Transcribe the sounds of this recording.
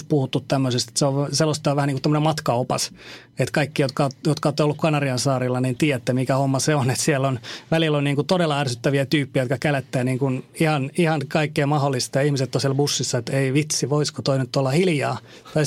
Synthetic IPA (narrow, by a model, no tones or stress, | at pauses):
puhut̪ːut̪t̪æmːøsest̪seoʋselːost̪ːɑoʋæhæniŋkut̪æmːənemɑt̪kɑopɑs | et̪kɑikːijot̪kɑot̪jot̪kɑoːt̪ːeolːukkɑnɑriɑnsɑːrilːɑnint̪iːjæt̪ːemikæhomːɑseonet̪sielːonʋælilonniːŋkut̪odelːɑærsyt̪ːæʋiæt̪yːpːiæjot̪kɑkælæt̪ːæːniːŋkunihɑnihɑnkɑikːeːmɑholːist̪ɑjɑihmiset̪ːonsielbusːisːɑet̪eiʋit̪siʋoiskot̪oinyt̪ːolːɑhiljɑː | t̪ɑi